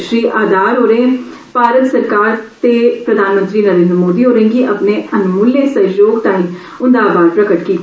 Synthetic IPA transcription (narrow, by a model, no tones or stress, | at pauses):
ʃɾiːʔaːd̪aːɾɦoːɾẽː | paːɾət̪səɾkaːɾt̪eːpɾəd̪ʱaːnmə̃nt̪ɾiːnəɾẽːnd̪ɾmoːd̪iːɦoːɾẽːŋɡiːʔəpneːənʊmuleːsəjoːɡʈ̪aːĩː | ʊ̃nd̪aːbaːd̪̚pɾəkəʈkiːt̪